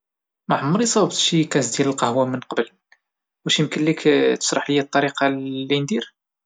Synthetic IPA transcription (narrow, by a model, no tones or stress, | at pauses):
mæħəmːəɾisˤɑbt̪ʃikæsd̪jæləlqɑhwæmːənqɑbəl | wæʃimkəllikt̪ə̥ʃɾˤɑħləjːæt̪ˤːɑɾiqɑlːind̪iɾ